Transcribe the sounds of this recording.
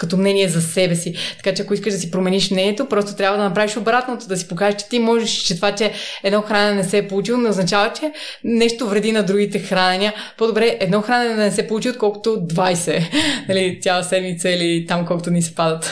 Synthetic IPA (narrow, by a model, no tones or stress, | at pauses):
kɐt̪omnɛniɛzɐsɛbɛsit̪ɐ̥kat͡ʃɛɐkoiskəʒd̪ɐsipɾomɛniʃmnɛniɛt̪opɾɔst̪ot̪ɾʲjabvɐd̪ɐnɐpɾaviʃobɾat̪not̪od̪ɐsi̥pokaʒɛʃt͡ʃɛ̥t̪imɔʒɛʃt͡ʃɛt̪vat͡ʃɛɛd̪nɔxɾanɛnɛnɛsɛpolˠut͡ʃilˠonɛoznɐt͡ʃavət͡ʃɛnɛʃt̪ovɾɛd̪inɐd̪ɾuɡit̪ɛxɾanɛnʲiəpod̪obɾɛʔɛd̪nɔxɾanɛnɛd̪ɐnɛsɛpolˠut͡ʃiot̪̚kɔlˠko̥t̪od̪vajsɛnɐlit̪ʲjalˠɐsɛd̪mit̪sɐilit̪amkɔlˠkot̪onisɛ̥pad̪ɐt̪